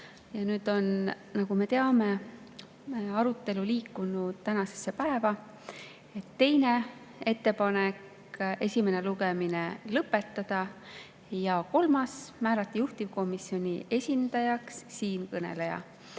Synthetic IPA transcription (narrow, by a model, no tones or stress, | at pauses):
jɑnyːd̪̥o̞n | nɑɡ̥ume̞t̪e̞ɑme̞ | ɑɾut̪ːˑe̞luliːkːˑunud̪t̪ænɑse̞sːe̞pæevɑ | e̞t̪ːe̞jne̞ | e̞t̪ːe̞pɑne̞k | e̞sʲime̞ne̞luɡemine̞lɤpːˑe̞t̪ːɑd̪̥ɑ | jɑko̞lmɑsmæːɾɑt̪ːˑijuht̪ivko̞misio̞nʲie̞sʲind̪̥ɑjɑksːiːnkɤne̞̰le̞jɑ̰